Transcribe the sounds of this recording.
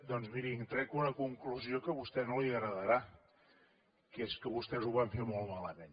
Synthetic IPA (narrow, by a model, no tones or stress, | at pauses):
d̪ɔnzmiɾiŋt̪ɾɛkunəkuŋkluziokəβust̪ɛnoliəɣɾəðəɾa | keskəβust̪ɛzuβaɱfemolˠmaləmẽn